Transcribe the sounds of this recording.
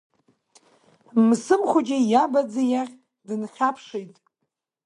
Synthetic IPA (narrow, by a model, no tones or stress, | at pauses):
msɨmχʷʊd͡ʒajabad͡zajaχʲ | dɨnχʲapʰʂejtʼ